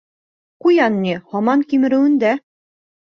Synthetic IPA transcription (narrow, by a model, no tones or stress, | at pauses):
qujɑnːihɒmɑŋkimɘ̆ɾɘ̆wɘ̆nd̪æ